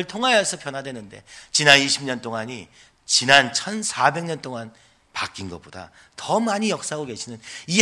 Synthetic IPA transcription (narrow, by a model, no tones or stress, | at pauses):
ɯɭtʰoŋɦajʌsʰʌpʰjʌnɦwadwe̞nɯnde̞̰t͡ɕinaniɕʰimɲʌnt͈oŋaɲi | t͡ɕinant͡ɕʰʌnsʰabe̞ŋɲʌnt͈oŋan | pak͈inɡʌ̰boda̰ | tʌmaɲijʌk̚s͈aɦaɡoɡe̞ɕʰinɯni